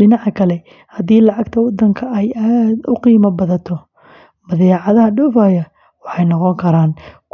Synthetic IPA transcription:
ɪnɑʕkʰɐlɛ | hɐd̪iːlɑʕɑɡt̪ʰɐwɑd̪ːɐŋkʰɐʔɛjaːd̪ʊqiːmɐbɐðɐt̪ʰɔ | mɐðɛʕɑðɐhɐɖɔːfaːjɐ | wɑħɑjnɔqɔŋkʰɐɾaːnk

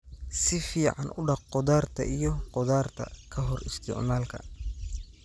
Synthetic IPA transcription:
sɪfiːʕɑnʔʊɖɑqqɔðaːrt̪ʰɐ̰ʔijɔqɔðaːrt̪ʰɐ̰kʰɐɦɔrɪst̪ʰɪ̰ʕnaːlkʰɐ̰

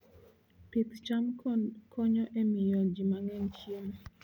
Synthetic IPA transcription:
pit̪t͡ʃamkʰɔɲɔʔɛmɪjɔd͡ʒimaŋɛnt͡ʃjem

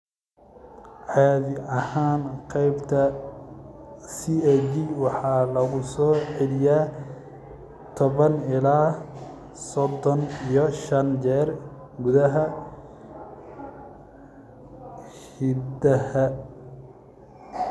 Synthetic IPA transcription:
ʕɑːðɪʔɐhaːnqɛjbt̪ʰɐ | siɛd͡ʒiwɑħɑːlɐɣʊsɔːʕɛlɪjaː | t̪ʰɔβɐnɪlaː | sɔd̪ːɔnijɔʃɐnd͡ʒɛːr | ɡʊðɐɦɐ | hid̪ɐhɐ

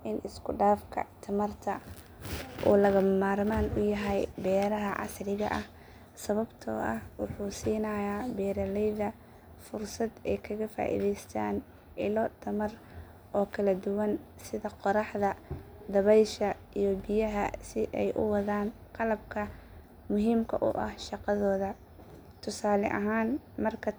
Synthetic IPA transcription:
ʔɪnʔɪskʰʊɖaːfkʰɐ̰t̪ʰɐmɐrt̪ʰɐ | ʔɔ̰ːlɐɣɐmmaːɾmaːnʊjɐɦɛjbɛːɾɐɦɐʕɑ̰srɪɣɐʔɐh | sɐβɐbt̪ʰɔ̰ːʔɐhwɑħuːsiːnɐjaːbɛːɾɐlɛjðɐ | fʊrsɐd̪ɛjkʰɐɣɐfa̰ːʔḭːðɛjst̪ʰa̰ːn | ʔɪlɔd̪ʰɐmɐr | ʔɔːkʰɐlɐd̪ʊwɐn | sɪðɐqɔɾɑħðɐd̪ɐβɛjʃɐ | ijɞbɪjɐɦɐsɪʔɛjʔʊ̰wɑðaːnqɑlɐb̚kʰɐ | mʊɦiːmkʰɐ̰ʔʊ̰ʔɐ̰hʃɑqɑðɔːðɐ | t̪ʰʊsaːlɛʔɐɦaːnmɐrkʰɐ

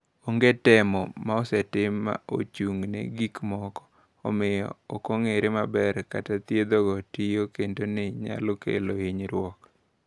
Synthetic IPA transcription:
oŋɡetɛmɔmaɔsɛtɪma̰o̰t͡ʃuŋnḛɡikmɔkɔ̥ | ɔ̰mɪjɔ̰okoŋeɾɪmabɛrkatat̪jed̪oɡɔtijokendonɪɲa̰lokḛloiɲɾwɔk

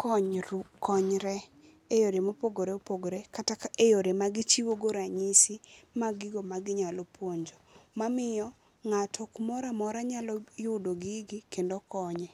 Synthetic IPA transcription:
kɔɲkɔɲɾɛ | ejoɾemopoɡoɾeopoɡoɾekatakaʔejoɾemaɡɪt͡ʃiwoɡoɾaɲisimaɡɪɡomaɡɪɲalɔpwoɲd͡ʒɔmamɪjɔ | ŋatʰɔkmɔɾamɔɾaɲalɔjʊdoɡiɡikendokɔɲɛ

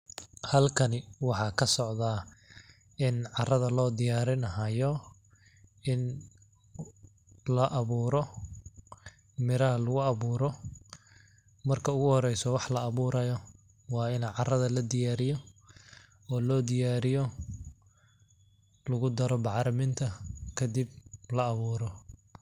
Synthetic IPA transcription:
hɐlkʰɐnɪwɑħɑːkʰɐsɔʕðaː | ɪnʕɑrɐðɐlɔːd̪ɪjaːɾɪnɐɦɐjɔ | ʔɪn | lɐʔɐβuːɾɔ | mɪɾɐɦɐlʊɣʊɐβuːɾɔ | mɐrkʰɐʊɣʊhɔɾɛjsɔwɑħlɐːβuːɾɐjɔ | wɑːɪnʕɑrɐðɐlɐd̪ɪjaːɾɪjɔ | ɔːlɔːd̪ɪjaːɾɪjɔ | lɐɣʊd̪ɐɾɔbɑʕɾɐmɪnt̪ʰɐkʰɐd̪iblɐːβuːɾɔ

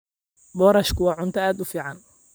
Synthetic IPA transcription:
bɔːɾɐʃkʰʊwɑːʕʊnt̪ʰɐaːd̪ʊfiːʕɑn

